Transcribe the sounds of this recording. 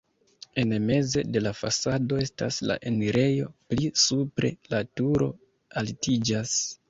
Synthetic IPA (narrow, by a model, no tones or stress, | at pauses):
e̞nme̞zede̞lafasado̞e̞sta̰sla̰ʔe̞niɾe̞jo̞plisupɾe̞̰latuɾo̞ | altid͡ʒas